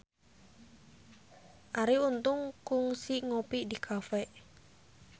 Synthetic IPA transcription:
ʔaɾiunt̪ʊŋkʊŋsiŋopidikʰafɛʔ

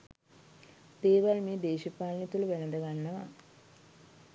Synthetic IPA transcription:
d̪̥eːʋalmiːd̪eːʃipaːlnit̪uluʋɛnɐd̪ɐɡanːɐʋɐ

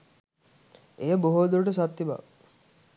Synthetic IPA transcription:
ejəboɦod̪uɾʈəsat̪ːiba̰

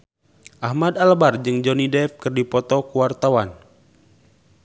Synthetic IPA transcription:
ʔahmadalbard͡ʒɨŋd͡ʒɔnidɛfkɨrdipɔt̪ɔkuwart̪awan

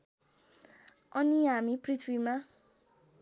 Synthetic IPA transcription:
ɔ̃nĩamĩpɾitʰɾimã

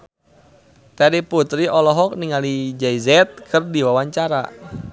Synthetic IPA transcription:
t̪ɛɾiput̪ɾiʔɔlɔɦɔk̚niŋalid͡ʒɛizɛt̪̚kʰɨrdiwawaɲt͡ʃaɾa̰

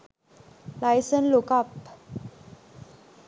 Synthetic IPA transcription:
lajsənlokap

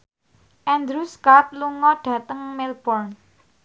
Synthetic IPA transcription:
ʔɛnd̪ɾuskat̪̚luŋɔɖ̥ä̤t̪əŋmɪlb̥ɔrn

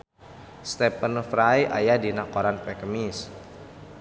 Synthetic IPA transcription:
st̪ɛpənfɾajʔa̰jadinakɔɾanpɛkəmis

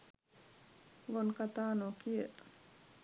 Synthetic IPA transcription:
ɡonkat̪aːnokiəʔ

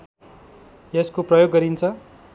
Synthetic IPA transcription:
eskoprʌjoɡːʌɾint͡sʰʌ

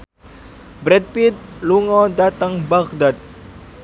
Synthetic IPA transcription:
bɾɛt̪̚pit̪̚luŋɔdat̪əŋbakdat̪̚

